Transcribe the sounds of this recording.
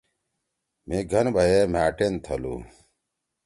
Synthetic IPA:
meɡʱɐnbʱɐjemaːʈent̪ʰɐlṵ

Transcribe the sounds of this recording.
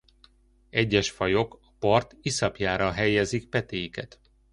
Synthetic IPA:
ɛɟːɛʃfɒjo̞kɒ̥pɒrt̪isɒpjaːɾɒɦɛjɛzik̚pɛt̪eːjikɛt̪

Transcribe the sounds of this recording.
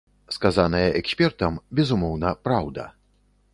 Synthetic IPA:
skazanɐjɐʔɛksʲpʲɛrt̪ɐmbʲɛzumɔwnɐpɾawd̪ɐ̰

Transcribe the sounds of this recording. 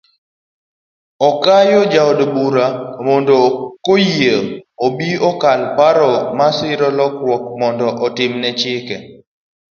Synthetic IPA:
ɔkajod͡ʒawdbuɾamɔndɔkojieobiɔkalpaɾɔmasɪɾɔlɔkɾwɔk̚mɔndɔʔɔtɪmnɛt͡ʃɪkɛ

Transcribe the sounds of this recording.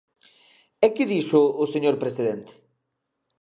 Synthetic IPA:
ɛkɪðisʊːseɲoɾpɾesiðent̪ɪ̥

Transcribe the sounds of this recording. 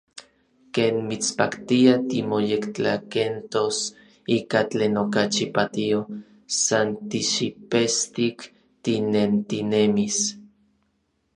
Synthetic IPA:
keːnmit͡spakt̪iat̪imojekt͡ɬakent̪os | iːkat͡ɬeːnokat͡ʃipat̪io | sant̪iʃipest̪ik | t̪inent̪inemis

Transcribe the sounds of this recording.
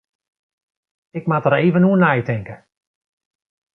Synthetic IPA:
ɪkmatəɾeːvənuənajtɪŋkə

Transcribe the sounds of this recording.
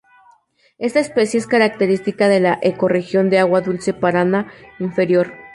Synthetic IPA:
e̞st̪aespesjeeskaɾak̚t̪eɾist̪ikaðe̞laʔeko̞rexjo̞nd̪eaɣwaðulse̞paɾanaiɱfe̞ɾjo̞ɾ

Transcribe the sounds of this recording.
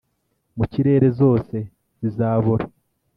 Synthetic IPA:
muciɾe̞ːɾe̞zo̞ːse̞ | z̥izaːβoɾa

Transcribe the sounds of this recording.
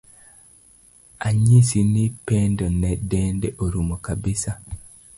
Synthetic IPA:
aɲisinipeːndonɛdeːndɛʔoɾumokabisa

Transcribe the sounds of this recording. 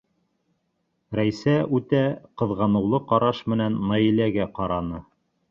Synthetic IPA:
ɾæjsæʉt̪æqɤ̆ðʁɑnɤ̆wlˠɤqɑɾɑʃmɘ̆nænːɑjilæɡæqɑɾɑnɤ

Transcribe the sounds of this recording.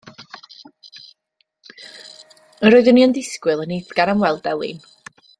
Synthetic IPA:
əɾoɨðəniəndɪskwɨlˠənejθɡ̥anamwɛlˠdɛlˠḭːn

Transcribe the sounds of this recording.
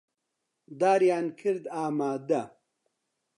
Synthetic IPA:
d̪aːɾjaːnkʰɨɾd̪aːmaːd̪ɐ

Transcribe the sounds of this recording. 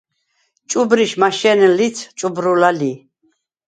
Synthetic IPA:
t͡ʃʼubɾiʃmaʃɛnɛlit͡sʰt͡ʃʼubɾulali

